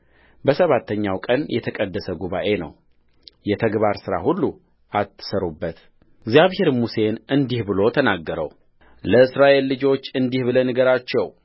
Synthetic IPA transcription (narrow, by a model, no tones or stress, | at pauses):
bəsəβat̪ʰːəɲːawkʼənjɛt̪ʰəkʼəd̪ːəsəɡuβa̰ʔe̞nə̰w | jɛt̪ʰəɡbaɾsɨɾa̰hulːu | ʔat̪ːɨ̥səɾubːət̪ | ɡzijaβhe̞ɾmuse̞nɨnd̪ihbɨlo̞t̪ʰənaɡːəɾə̰w | ləɨsɾaʔe̞lːɨd͡ʒo̞t͡ʃːɨnd̪ihβɨlənɨɡəɾat͡ʃːɛw